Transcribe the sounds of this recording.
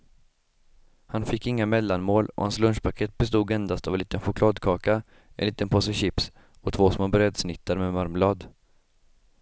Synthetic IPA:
hanfɪkːɪŋːamɛlːanmoːlɔ̰hanslɵnʂpʰakʰeːt̪̚bɛst̪uːd̪ɛnd̪ast̪avɛliːt̪ənɧʊkʰlɑːd̪kʰɑːka | ɛ̰nliːt̪ənpʰɔsɛɕɪps | ɔt̪ʰvoːsmoːbɾɛd̪snɪt̪ʰːaɾmɛmaɾmlɑːd̪

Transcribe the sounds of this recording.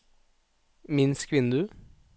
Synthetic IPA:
mɪnskʋɪnd̪ʉ

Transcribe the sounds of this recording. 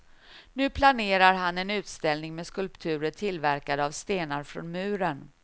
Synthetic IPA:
nʉ̟ːpʰlaneːɾaɾɦanɛnʉ̟ːt̪st̪ɛlnɪŋmɛskɵlpt̪ʰʉ̟ːɾəʈʰɪlvæɾkad̪əavst̪eːnaɾfɾɔ̰nmʉ̟ːɾən

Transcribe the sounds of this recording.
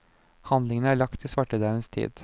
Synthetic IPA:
hɑnd̪lɪŋənəæːɭɑkt̪ʰːɪsʋɑʈəd̪ɑʉʋənst̪ʰḭːd̪

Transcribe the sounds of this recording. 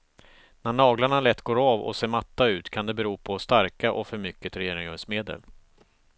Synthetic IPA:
næɳɑːɡlaɳalɛt̪ːɡoːɾɑːvɔ̰seːɾmat̪ːaʉ̟ːt̪kʰand̪ɛbɛɾuːpʰɔst̪aɾkaʔɔfœɾmʏkːət̪ɾɛjeːɾɪŋœsmeːd̪ə̰l

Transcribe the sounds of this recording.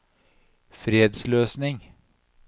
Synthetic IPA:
fɾeːd̪sløːsnɪŋ

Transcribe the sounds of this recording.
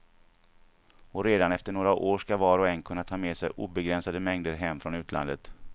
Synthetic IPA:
ɔɾeːd̪anɛft̪əɳoːɾaʔoːʂkavɑːɾɔɛnːkʰɵnːat̪ʰɑːmeːsɛjʔṵːbɛɡɾɛnsad̪əmɛŋd̪əɾɦɛmːfɾɔnʉ̟ːt̪ʰlʔa̰nd̪ət̪

